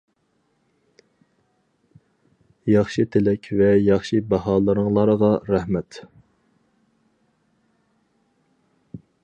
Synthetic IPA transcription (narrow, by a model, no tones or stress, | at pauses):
jɑχʃɨt̪ʰelɛkʲvɛjɑχʃibɑhɑːlˠəɾəŋlˠɑɾəʁɑɾæhmɛt̪